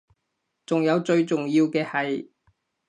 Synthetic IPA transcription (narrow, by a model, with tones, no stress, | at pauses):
t͡sʊ˨ŋjɐ˨˧wt͡sɵ˧ɥt͡sʊ˨ŋjiː˧wkɛː˧hɐ˨j